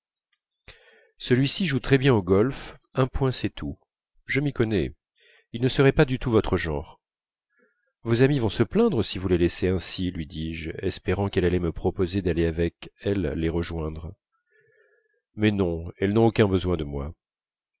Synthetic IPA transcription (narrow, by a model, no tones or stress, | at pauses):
səlɥisiʒut̪χɛbjɛ̃oɡɔlfɛ̃pwɛ̃sɛt̪ʰu | ʒəmikɔnɛ | ilnəsəʁɛpad̪yt̪uvɔt̪χəʒɑ̃ːʁ | vozamivɔ̃səplɛ̃d̪ʁəsivulelɛseɛ̃silɥid̪iʒɛspeʁɑ̃kɛlalɛməpχɔpozed̪aleavɛkɛlːeʁəʒwɛ̃d̪ʁ | mɛnɔ̃ɛlnɔ̃okʲɛ̃bəzwɛ̃d̪əmwa